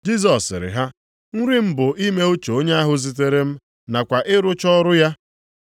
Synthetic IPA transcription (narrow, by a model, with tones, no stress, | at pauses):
d͡ʒi˦s̬ɔ˨sɪ˨ɾɪ̰˨ɦa˦ | ŋ̩˦ɾi˦m̩˦bʊ˨ʔi˦me˦o˦t͡ʃo˨o˦ɲe˦a˦ɦʊ˦zi˨t̬e˦ɾe˦m̩˦ | na˨kʷa˨ʔɪ˦ɾʊ˦t͡ʃɔ˦ɾʊ˦ja˦